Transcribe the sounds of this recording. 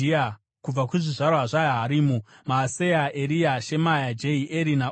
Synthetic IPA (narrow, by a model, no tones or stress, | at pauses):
ia | kub͡vakuʐiʐarwaʐajaɦaɾiːmumaːsejaeɾijaʃe̞majad͡ʒeiʔeɾina